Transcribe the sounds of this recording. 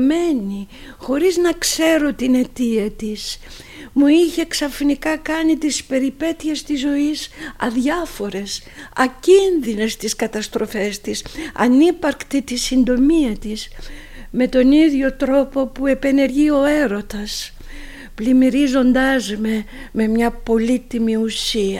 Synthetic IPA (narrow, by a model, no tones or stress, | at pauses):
me̞ni | xo̞ɾiznɐkse̞ɾo̞t̪ine̞t̪iɐt̪is | muiçe̞ksɐfinikɐkɐnit̪ispe̞ɾipe̞t̪ie̞st̪izːo̞isɐ̰ðʝɐfo̞ɾe̞s | ɐcinðine̞st̪iskɐt̪ɐst̪ɾo̞fe̞st̪isɐ̰nipɐɾkt̪it̪isind̪o̞miɐt̪is | me̞t̪o̞niðʝo̞t̪ɾo̞po̞pue̞pe̞ne̞ɾʝio̞e̞ɾo̞t̪ɐs | plimiɾizo̞nd̪ɐzme | me̞mɲɐpo̞lit̪imiusiɐ